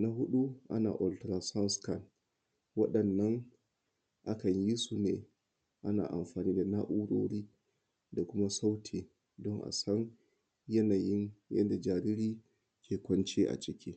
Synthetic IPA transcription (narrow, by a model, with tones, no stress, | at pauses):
na˦ɦu˦ɗu˦ʔa̰˦na̰˨ʔɔ˨ltɾa˨sa˦nska˨n | wa˦ɗɐ˨nːa˦n | ʔa˨ka˨nji˦su˦nɛ˨ | ʔa˦na̰˨ʔa̰˨mfaː˨niː˦da˨na˦ʔu˦ɾoː˦ɾi˦ | da˨kʊ˦ma˦sa˦wtʰi˨ | dɔ˦ŋʔa̰˨sa˦n | jɛ˦na˨ji˦njɛ̰˦ndɛ˨d͡ʒa˨ɾi˦ɾi˦ | kʰɛ˨kɔ˦nt͡ʃi˦ʔa̰˨t͡ʃʼi˦kʲi˦